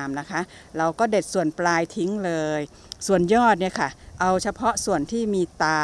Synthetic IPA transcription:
mna˦˥kʰa˦˥ʔ | ɾa˧wkɔː˥˩de˨˩t̪̚su˨˩ənplaː˧jt̪ʰi˦˥ŋlɤː˧j | su˨˩ənjɔː˥˩t̪̚ni˥˩əkʰa˥˩ʔa˧wt͡ɕʰa˧pʰɔ˦˥ʔsu˨˩ənt̪ʰiː˥˩miː˧t̪aː˧

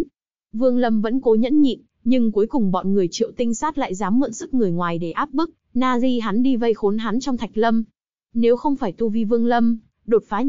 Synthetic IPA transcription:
vɨ˧əŋlə˧mvə̰˧˥nko˨˦ɲə̰˧˥nɲḭ˧˨m | ɲɨ˧ŋku˨˦əjkʊ˨˩ŋ͡mɓɔ̰˧˨nŋɨ˨˩əjt͡ɕḭ˧˨ə˨wt̪ï˧ŋ̟saː˦˥t̚la̰ː˧˨jzaː˨˦mːə̰˧˨nsɨ˦˥k̚ŋɨ˨˩əjŋwaː˨˩jɗe˧˩ʔaː˦˥p̚ɓɨ˦˥k̚naː˧zi˧ɦa˨˦nɗi˧və˧jxo˨˦nɦa˨˦nt͡ɕɔ˧wŋ͡mt̪ʰk̟̚lə˧m | ne˨˦wxə˧wŋ͡mfaː˧˩jt̪u˧vi˧vɨ˧əŋlə˧m | ɗo˨˩t̚faː˨˦

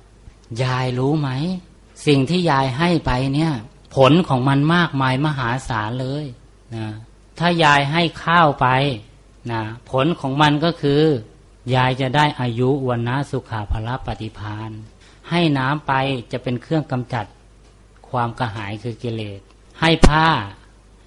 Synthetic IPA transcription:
jaː˧jluː˦˥ma˦˥j | si˨˩ŋt̪ʰiː˥˩jaː˧jɦa˥˩jpa˧jni˦˥˩ɐ | pʰo˨˦nkʰɔː˩˦ŋma˧nmaː˥˩k̚maː˧jma˧ɦaː˩˦saː˩˦nlɤː˧j | nɔ˧˩ | t̪ʰaː˧˥˩jaː˧jɦa˥˩jkʰaː˥˩wpa˧j | na˧˩pʰo˨˦nkʰɔː˩˦ŋma˧nkɔː˥˩kʰɯː˧ | jaː˧jt͡ɕa˨˩daː˥˩jʔaː˧ju˦˥ʔu˧a˧nːa˧˥˨su˧˦kʰaː˨˩˦pʰa˧la˦˥pa˧t̪i˧˦pʰaː˧n | ha˥˩jnaː˦˥mpa˧jt͡ɕa˨˩pe˧nkʰɯ˥˩əŋka˧mt͡ɕa˨˩t̪̚ | kʰwaː˧mkaː˧ɦaː˩˦jkʰɯː˧ki˧leː˨˩t̪̚ | ha˥˩jpʰaː˥˩

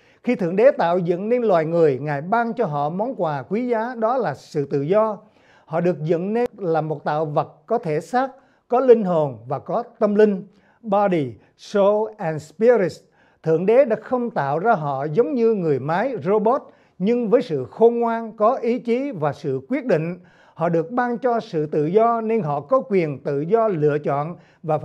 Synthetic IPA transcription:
xi˧t̪ʰɨ̰˧˨əŋɗe˨˦t̪a̰ː˧˨wzə̰˧˨nne˧nlwaː˨˩jŋɨ˨˩əjŋaː˨˩jɓaː˧ŋt͡ɕɔ˧ɦɔ̰˧˨mɔ˨˦wnkwaː˨˩kwi˨˦zaː˨˦ɗɔ˨˦laː˨˩sɨ̰˧˨t̪ɨ̰˧˨zɔ˧ | hɔ̰˧˨ɗɨ˨˩ək̚zə̰˧˨nne˧laː˨˩mo˨˩t̚t̪a̰ː˧˨wvə˨˩t̚kɔ˨˦t̪ʰe˧˩saː˦˥k̚ | kɔ˨˦lï˧ŋ̟ɦo˨˩nvaː˨˩kɔ˨˦t̪ə˧mlï˧ŋ̟ | ɓɔ˧ɗi˨˩ | so˧ʔɛ˧nspi˧ɾi˧˩s | t̪ʰɨ̰˧˨əŋɗe˨˦ɗa̰ː˧˥xə˧wŋ͡mt̪a̰ː˧˨wzaː˧ɦɔ̰˧˨zə˨˦wŋ͡mɲɨ˧ŋɨ˨˩əjmaː˨˦jzo˧ɓo˦˥t̚ | ɲɨ˧ŋvəː˨˦jsɨ̰˧˨xo˧ŋwaː˧nkɔ˨˦ʔi˨˦t͡ɕi˨˦vaː˨˩sɨ̰˧˨kwi˦˥ət̚ɗḭ˧˨ŋ̟ | hɔ̰˧˨ɗɨ˨˩ək̚ɓaː˧ŋt͡ɕɔ˧sɨ̰˧˨t̪ɨ̰˧˨zɔ˧ne˧nɦɔ̰˧˨kɔ˨˦kwi˨˩ənt̪ɨ̰˧˨zɔ˧lɨ̰˧˨ət͡ɕɔ̰˧˨n | vaː˨˩

